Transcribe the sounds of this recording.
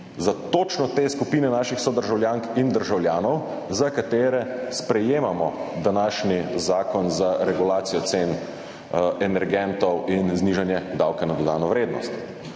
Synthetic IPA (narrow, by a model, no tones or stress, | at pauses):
zat̪oːt͡ʃnɔt̪eːskupiːnɛnaːʃixsɔd̪əɾʒawljaːŋkind̪əɾʒawljaːnɔw | zakat̪eːɾɛspɾɛjeːmamɔd̪anaːʃnizaːkɔnzaɾɛɡulaːt̪sijɔt̪sen | ɛnɛɾɡɛnt̪ɔwinzniːʒanjɛd̪awkɛnad̪ɔd̪aːnɔʋɾeːd̪nɔst̪